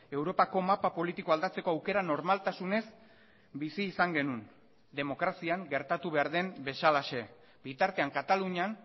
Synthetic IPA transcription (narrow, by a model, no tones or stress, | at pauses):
e̞wɾo̞pako̞mapapo̞lit̪iko̞ald̪at͡se̞ko̞awke̞ɾano̞ɾmalt̪asune̞s | bisiːsaŋɡe̞nun | d̪e̞mo̞kɾasiaŋɡe̞ɾt̪at̪uβe̞aɾðe̞mbe̞salaʃe̞ | bit̪aɾt̪e̞aŋkat̪aluɲan